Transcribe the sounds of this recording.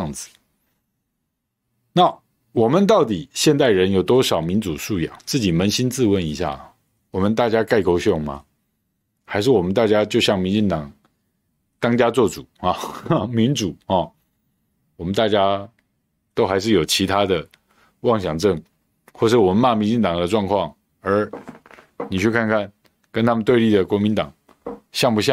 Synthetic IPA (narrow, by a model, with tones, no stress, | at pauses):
ŋd͡zɹ̩˨˩ | na˥˨˩ | wɔ˨˩mə˨˦nt̪ɑ˥˩ʊt̪̬i˨˩˦ɕjɛ˥˧nt̪a˥˩ɪɻə˧˦njo˨˩ʊt̪wɔ˥ʂɑ˨˩ʊmi˧˥nt͡su˨˩ʂu˥˧jɑ̰˨˩˦ŋt͡sɹ̩˥˩t͡ɕi˨˩mə˧˥nɕi˥nt͡sɹ̩˥˨wə˧˥ni˧˥ɕja̰˥˩˨ | wɔ˨˩mə˦nt̪a˥˩t͡ɕja˥ka˥˩ɪko˥ʊɕjo˥˩ŋma̰˨ | xa˧˥ɪʂ̬ɻ̩˥˩wɔ˨˩mə˦nt̪a˥˩t͡ɕja˥t͡ɕjo˥˧ʊɕjɑ˥˩ŋmi˧˥nt͡ɕi˥˩ŋt̪ɑ˨˩˦ŋ | t̪ɑ˥ŋt͡ɕja˥t͡swɔ˥˩ʈ͡ʂu˨˩˦xɑ˥˧˩mi˧˥nʈ͡ʂu˨˩˦xɔ˥˨˩ | wɔ˨˩mə˦nt̪a˥˩t͡ɕja˦ | t̪o˥ʊxa˧˥ɪʂ̬ɻ̩˥˩jo˨˩ʊt͡ɕʰi˧˥t̪ʰa˥d̪ə˨ | wɑ˥˩ŋɕjɑ˨˩ŋʈ͡ʂə˥˩ŋ | xwɔ˥˧ʂ̬̩˥˩wɔ˨mə˨˦nma˥˩mi˧˥nt͡ɕi˥˩ŋt̪ɑ˨˩ŋd̪ə˦ʈ͡ʂwɑ˥˧ŋkʰwɑ˥˩ŋ | ə˞˧˥ | ni˨˩t͡ɕʰy˥˧kʰa˥˧nkʰa˥˩n | kə˥nt̪ʰa˥mə˨nt̪we˥˧ɪli˥˩d̪ə˩kwɔ˧˥mi˧˦nt̪ɑ˨˩ŋ | ɕjɑ˥˩ŋpu˧˥ɕ̬ja˥˨